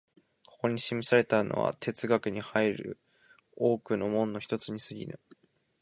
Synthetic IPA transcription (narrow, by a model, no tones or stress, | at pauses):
kʰo̞̥ko̞ɲ̟iɕimʲisaɾe̞t̪ano̰βa̰t̪ʰe̞t͡sɨɡakɯ̟ɲ̟ihaiɾɯ̟̰ | o̞ːkɯ̟no̞mõ̞nːo̞çi̥t̪o̞t͡sɨɲ̟isɨɡʲḭnɯ̟̰